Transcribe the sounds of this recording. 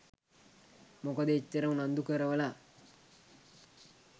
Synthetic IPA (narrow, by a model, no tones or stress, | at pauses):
mokəd̪əit͡ʃːəɾəmnand̪ukəɾəʋəla